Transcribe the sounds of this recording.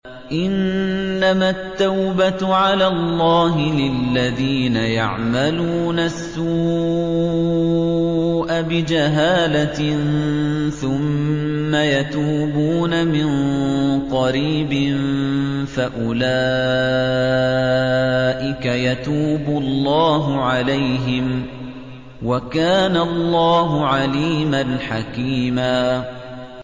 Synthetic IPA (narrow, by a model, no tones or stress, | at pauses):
ʔɪnːamat̪ːawbaʕalaːlˤːɑːɦɪlɪlːaðiːnaja̰ʕmaluːnasːuː | ʔabɪd͡ʒaɦaːlanθʊmːajat̪uːbuːnamɪnqɑɾiːbɪnfaʔʊlaː | ʔɪkajat̪uːbʊlːɑːɦʊʕalajɦɪm | wakaːnalˤːɑːɦʊʕaliːmanħakiːmaː